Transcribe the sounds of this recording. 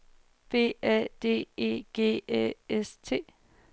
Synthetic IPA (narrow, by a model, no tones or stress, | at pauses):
b̥e̝̰ːæd̥e̝̰ːe̝̰ːɡ̥e̝̰ːeest͡sʰe̝̰ː